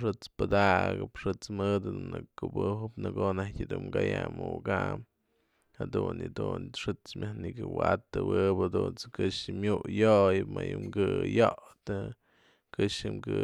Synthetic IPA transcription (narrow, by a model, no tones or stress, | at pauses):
ʂɨt͡spɨd̪aʔɡɨpʂɨt͡smɨd̪ɨd̪unɨkubɨɦɨpnɨɡonahkʲɨd̪umɡajamuɡam | had̪unjɨd̪unʂɨt͡smʲʔahnikɨwat̪ːɨwɨpad̪unt͡sɨkɨʂɨmʲuʔjoʔjɨpmajumɡɨjoʔt̪ɨ | kɨʂɨmɡɨ